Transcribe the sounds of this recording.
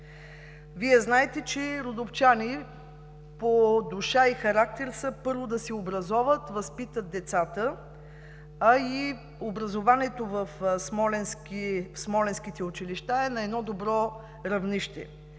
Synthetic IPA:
viɛznaɛt̪ɛt͡ʃɛɾod̪oft͡ʃani | pod̪uʃaixɐɾak̚t̪ɛɾsəpɤɾvod̪ɐsɛobɾɐzɔvət̪vɐspit̪ət̪̚d̪ɛt̪sat̪ə | ɐi | obɾɐzovaniɛt̪ovəfsmɔlɛnskismɔlɛnsk̟it̪ɛut͡ʃiliʃt̪aɛnɐɛd̪nɔd̪obɾɔ | ɾɐvniʃt̪ɛ̰

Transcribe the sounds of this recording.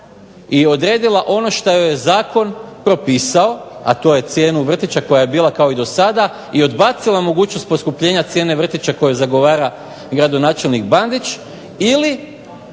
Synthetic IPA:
io̞d̪ɾeːd̪ilˠaʔo̞no̞ʃt̪ajojezaːko̞npɾo̞piːsao̞a̰t̪o̞je̞t̪sje̞ːnuʋr̩t̪it͡ɕako̞jaje̞biːlˠakao̞id̪osad̪a | io̞d̪baːt̪silamo̞ɡuːt͡ɕnost̪po̞skupʎe̞ɲat̪sje̞ne̞ʋr̩t̪it͡ʃako̞jezaɡo̞ʋaːɾa | ɡɾad̪o̞naːt͡ʃe̞lnikband̪it͡ʃ | ili

